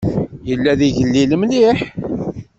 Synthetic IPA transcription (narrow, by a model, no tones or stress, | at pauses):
jəlːæðiʝəlːiləmliħ